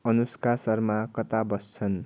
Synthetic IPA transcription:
ʌnuskasʌrmakʌt̪abʌst͡sʰʌn

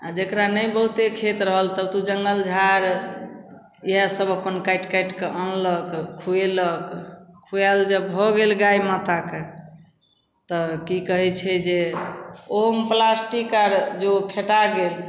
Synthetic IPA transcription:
a̰d͡ʒekɾanəjbəɦut̪ekʰet̪ɾəɦəlt̪əbt̪ud͡ʒəŋɡəld͡ʒʱaɾ | iɦasəbəpənkajʈkajʈkeʔənləkkʰːueləkkʰːuald͡ʒəbbʱɔɡelɡajmat̪ake | t̪ɔkikəɦɛt͡ʃʰɛd͡ʒe | omplasʈikaɾd͡ʒopʰeʈaɡel

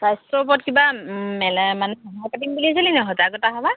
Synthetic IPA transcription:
sajstɹɔpɔtkibamɛlɛmanɛkʰɔɦapatimbuliasalinɛɦɔtaɡɔtaɦaba

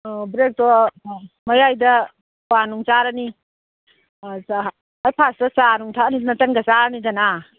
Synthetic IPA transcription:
bɾek̚tɔ | mɐjajdɐ | wanuŋt͡ʃaɾɐni | ajpʰasdɐsanuŋtʰanidanɐtɐŋɡɐsaɾɐnidɐna

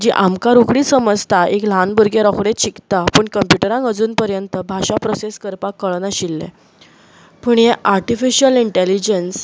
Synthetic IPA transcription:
d͡ʑiʔamkaɾukɽiːsəməd͡zt̪ʰaʔekl̤anbuɾɡeɾɔkʰɽet͡ɕikt̪apəːɳkəmpjuʈəɾãŋkəd͡zuːnpəɾjənt̪əbʱaɕapɾɔseskəɾpakːəɭnaɕilːḛ | pəɳjeʔaɾʈifiɕəliɳʈelid͡ʑəns

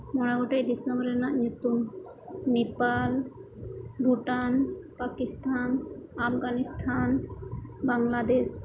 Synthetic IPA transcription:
mɔɽ̃aɡɔʈejd̪isəmbɾɛnaʔɲut̪um | nepal | bʱuʈanpakist̪ʰanapɡanist̪ʰan | baŋlad̪es

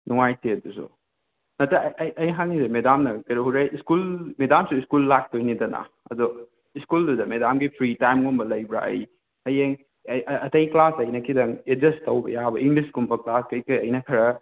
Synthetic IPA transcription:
nuŋajtʰeɐdusṵ | nɐtɐjɐjʔɐjɦak̚nisemedamnɐkɐɾɐɦuɾajiskulmedamsuiskulːak̚tojnidɐnɐ̰ | ɐ̰dɔ | iskuldudɐmedamɡipʰɾitajmɡonbɐlɐjbɾa̰ɐ̰j | ɐjeŋ | ɐtɐjklasɐjnɐkʰidɐŋed͡ʒɐstɐwbɐ̰jabɐʔiŋɡliskumpʰɐklaskɐjkɐjɐjnɐkʰɐɾɐ

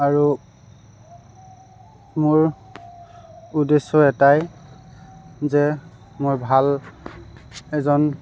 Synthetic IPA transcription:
aɹu | moɹ | udesɔɛtaj | zɛ | moɹbʱal | ɛzɔn

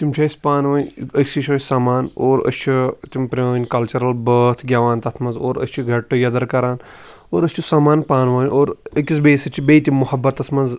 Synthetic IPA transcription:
t̪imt͡ʃʰɐːjspaːnʋɐːnʲəkʲsiʃʰoːsaːmaːnoːɾɐ̰st͡ʃʰit̪impɾʲɐːnʲkɐlt͡ʃɐɾɐlbəːt̪ʰɡʲaːʋaːnt̪ɐt̪ʰmɐnzoːɾɐ̰st͡ʃʰiɡʱɐʈːɨjɐd̪ɐɾkɐɾaːn | oːɾɐst͡ʃʰusaːmaːnpaːnʋɐːnʲoːɾɐkisbeːsɐt͡ʃʰibeːt̪imːuhɐbːɐt̪ɐsmɐnz

